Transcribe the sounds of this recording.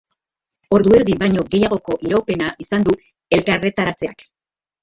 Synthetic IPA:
o̞ɾðue̞ɾðiβajɲo̞ɡe̞jaɣo̞ko̞ʔiɾawpe̞naʔisand̪u | e̞lkare̞t̪aɾat͡se̞ak

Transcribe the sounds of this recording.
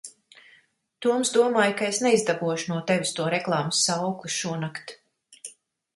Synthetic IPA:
t̪uɔmsd̪uɔmaːjkaesneizd̪abuɔʃunuɔt̪evist̪uɔɾɛklˠɑːmsːawkuʃuɔnakt̪

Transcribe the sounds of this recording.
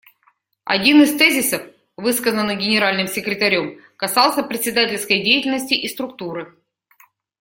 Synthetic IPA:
ɐ̰dʲinɨst̪ɛzʲɪsəf | vɨskəzənːɨɡʲɪnʲɪɾalʲnɨmsʲɪkɾʲɪt̪ɐɾʲo̞m | kɐsɑlˠsʲəpɾʲɪt̪ʲsʲɪd̪atʲɪlʲskəjdʲejɪtʲɪlʲnəsʲtʲɪʔist̪ɾʊkt̪uɾɨ

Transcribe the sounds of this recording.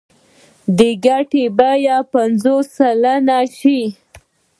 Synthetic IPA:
d̪əɡaʈebajapanzosalanaʃi

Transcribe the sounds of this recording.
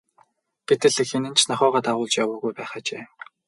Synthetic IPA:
ɡ̥et̪ɘ̆ɮɘ̆xenɘ̆nt͡ɕʰnaχʲɔːʁaːt̪aʁʊːɮt͡ɕjawʊːɣujpæːχaːt͡ɕeː

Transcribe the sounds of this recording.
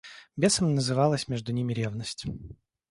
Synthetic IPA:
bʲesəmnəzɨvɑlˠəsʲmʲeʐd̪ʊnʲimʲɪɾʲevnəsʲtʲ

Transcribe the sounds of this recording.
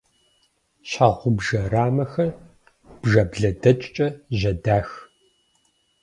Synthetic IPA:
ɕaʁʷʊbʒɐraːmɐxɐr | b̥ʒɐbɮɐdɐt͡ʃʼt͡ʃʼɐʑɐdaːx

